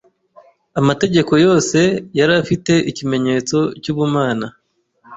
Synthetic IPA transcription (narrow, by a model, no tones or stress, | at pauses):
amate̞ɟe̞ko̞jo̞ːse̞jaɾafite̞icime̞ɲe̞ːt͡so̞cuːβumaːna